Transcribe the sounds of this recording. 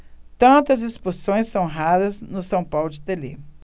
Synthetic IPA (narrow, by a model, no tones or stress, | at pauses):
t̪ɐ̃nt̪ɐzespusõj̃sːɐ̃w̃ɦaɾɐznʊsɐ̃w̃pawlʊd͡ʒɪt̪elḛ